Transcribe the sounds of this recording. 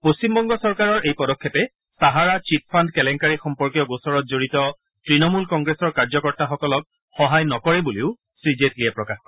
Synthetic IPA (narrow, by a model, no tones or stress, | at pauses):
post͡ɕimbɔŋɡɔsɔɹkaɹɔɹejpɔdɔkʰːɔpɛ | saɦaɹat͡ʃit̚pʰandkɛlɛŋkaɹixɔmpɔɹkijɔɡosɔɹɔt̚zoɹitɔ | tɹinɔmulkɔŋɡɹesɔɹkaɹzɔkɔɹtaxɔkɔlɔk̚ | xɔɦajnɔkɔɹɛbuleʊ | sɹizetlijɛpɹɔkax